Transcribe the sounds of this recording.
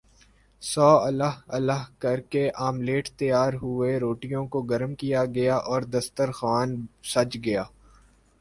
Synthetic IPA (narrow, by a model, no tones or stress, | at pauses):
sɔːɐləɦɐləɦkɐɾkeʔaːmleːʈʰt̪ɐjaːɾɦʊeɾoːʈijõkoɡɐɾmkijaɡɐjaʔɔːɾd̪ɐst̪əɾxʋaːnsɐt͡ʃɡɐjaː